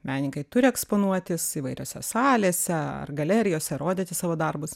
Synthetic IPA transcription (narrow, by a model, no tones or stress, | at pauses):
mʲæːnʲɪŋkɐɪt̪ʊɾʲɪɛkspoːnuɔt̪ʲɪsiʋɐɪɾʲo̰ːsʲɛ̰sɑːlʲeːsʲɛɐ̰rɡɐlʲɛːɾʲɪjoːsʲɛɾoːd̪ʲeːt̪ʲɪsɑːʋoːd̪ɐrbʊs